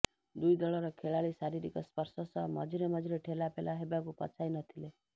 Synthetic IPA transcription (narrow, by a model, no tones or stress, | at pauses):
d̪ujd̪ɔɭɔɾɔkʰeɭaɭisaɾiɾikɔspʌɾsɔsɔmɔd͡ʒiɾemʌd͡ʒiɾeʈʰelapelaɦebakupɔ̰t͡ʃʰajnɔt̪ʰile